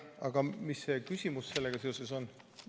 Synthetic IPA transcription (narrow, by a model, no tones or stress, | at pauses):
ɑ̰ɡ̥ɑmisːe̞kysʲimusse̞lːeɡ̥ɑse̞o̞se̞so̞n